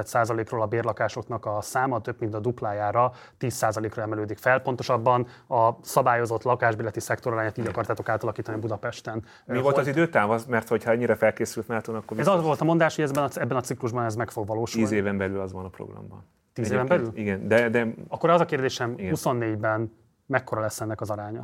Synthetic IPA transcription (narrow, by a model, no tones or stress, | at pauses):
ɛt̪saːzɒleːkroːlɒbeːrlɒkaːʃo̞knɒkɒsaːmɒt̪øbmint̪ɒd̪uplaːjaːɾɒ | t̪iːsːaːzɒleːkroɛmɛløːd̪ikfɛlpo̞n̪t̪o̞ʃɒbːɒnɒsɒbaːjo̞zo̞t̪lɒkaːʒbiːlɛt̪isɛkt̪o̞ɾlaːɲaːt̪iːɟɒkɒrt̪aːt̪o̞kaːt̪ɒlɒkiːt̪ɒniɒbud̪ɒpɛʃt̪ɛn | mivo̞lt̪zid̪øːt̪aːvɒzmɛrt̪ho̞chɒɛɲːiɾɛfɛlkeːsylt̪naːt̪onɒkːorɛzɒzʋo̞lt̪ɒmo̞nd̪aːʃhoɛzɛbɛnɒɛbːɛnɒt̪sikluʒbɒnɛzmɛkfo̞ɡʋɒloːʃuiːzeːvɛmbɛlylɒzvɒnɒpro̰ɡrɒ̰mbɒ̰n | t̪iːzeːvɛmbɛlyliɡɛnd̪ɛd̪ɛɒkːoɾɛzɒkeːrd̪eːʃɛmiɡuso̞nːeːɟbɛn | mɛkːoɾɒlɛsːɛnːɛkɒzɒɾaːɲɒ